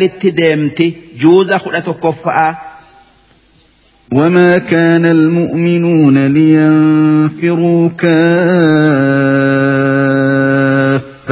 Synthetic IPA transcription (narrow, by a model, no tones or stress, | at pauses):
letːidɛmtɛd͡ʒoːzaxuɗatɔkɔfːaʔa | wamaːkaːnalmʊʔmɪnuːnalɪjanfɪɾuːka | fː